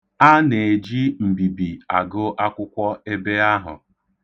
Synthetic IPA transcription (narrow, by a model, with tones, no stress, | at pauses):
a˦ne˨e˨d͡ʒi˦m̩˨bi˨bi˨a˨ɡʊ˦ʔa˦kʷʊ˦kʷɔ˦e˦be˦a˦ɦʊ̰˨